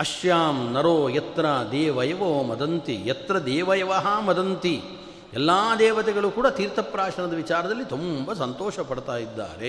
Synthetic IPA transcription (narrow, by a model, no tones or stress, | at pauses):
ɐʃjaːmnɐɾoːjɐt̪ɾɐd̪ɛːʋɐjɐʋoːmɐd̪ɐnt̪ijɐt̪ɾɐd̪ɛːʋɐjɐʋaɦɐmɐd̪ʱɐnt̪i | ɛlːaːd̪ɛːʋɐt̪ɛɡɐɭukuːɽat̪iːɾt̪ɐpɾaːʂɐɳɐd̪ɐʋit͡ʃaːɾɐd̪ɐlːit̪umbɐsɐnt̪ɔːʃɐpɐɽt̪aːjid̪ːa̰ːɾe